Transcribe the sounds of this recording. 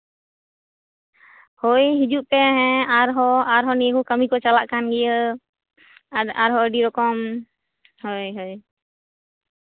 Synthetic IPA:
hojɦid͡ʒuʔpɛɦɛ̃aɾɦɔaɾɦɔniəkukəmikɔt͡ʃalaʔkanɡɛjə | aɾɦɔəɖiɾɔkɔm | hojɦoj

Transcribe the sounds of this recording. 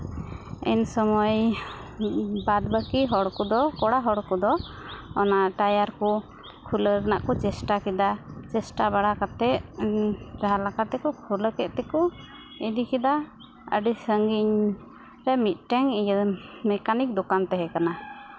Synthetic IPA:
ɛ̰nsɔmɔj | bad̪̚bəkiɦɔɽkɔd̪ɔkɔɽaɦɔɽkɔd̪ɔ | ɔnaʔʈajaɾkɔ | kʰuləɾənaʔkɔt͡ʃɛsʈakid̪at͡ʃɛsʈabaɽakat̪ɛʔ | t͡ʃaɦalakat̪ːɛkɔkʰuləkɛʔ̪̚t̪ɛkɔ | id̪ikid̪a | ə̰ɖisəŋɡiɲ | ɾɛmit̪̚ˀʈɛŋijmɛkanik̚d̪ɔkant̪ɛɦɛkana

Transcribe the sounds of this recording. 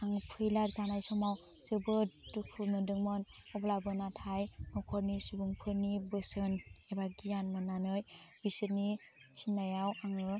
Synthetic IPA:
aŋpʰɯjlaɾzanajsɔmaw | sɯbɯtukʰumɯdɯŋmɔn | ɔblabɯnatʰajnɔkʰɔɾnisubuŋpʰɯɾnibɯsɯnebaɡijanmɯnanɯjbisɯɾni | sinːajawaŋɯ

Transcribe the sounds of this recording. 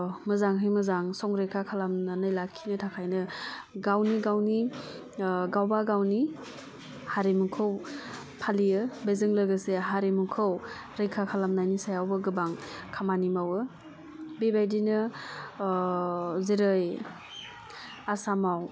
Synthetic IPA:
mɯzaŋɦɯjmɯzaŋsɔŋɾejkʰakʰalamnanɯjlakʰːinɯtʰakʰajnɯ | ɡawniɡawni | ɡawbaɡawni | haɾemukʰɯw | pʰalijɯbezɯŋlɯɡɯseɦaɾemukʰɯw | ɾejkʰakʰalamnajnisajawbɯɡɯbaŋkʰamanimawɯ | bebajdinɯ | zeɾɯj | asamaw

